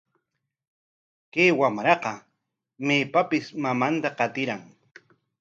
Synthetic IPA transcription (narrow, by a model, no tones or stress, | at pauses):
keːwamɾɑqɑ | meːpapɪsmamant̪aqɑt̪ɪɾaŋ